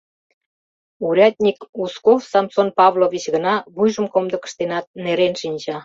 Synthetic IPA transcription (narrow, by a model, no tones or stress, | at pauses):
uɾʲɑt̪̚ʲnʲikuskofsɑmt̪sonpɑβloβʲit͡ɕɣənɑβujʒəmkomd̪ə̆kə̥ʃt̪enɑt̪̚neɾenʃinʲt͡ɕɑ